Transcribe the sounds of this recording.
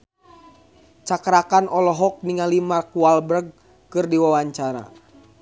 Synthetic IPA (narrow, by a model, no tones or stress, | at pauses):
t͡ʃakɾakanʔɔlɔɦɔk̚niŋalimarkuwalbɾəɡ̚ | kɨrdiwawaɲt͡ʃaɾa̰